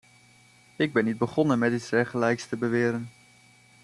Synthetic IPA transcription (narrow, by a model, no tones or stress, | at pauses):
ɪɡ̚bɛnːid̚bəχɔnənmɛtɪtsɛχəlɛjkstəbəʋɪːɾən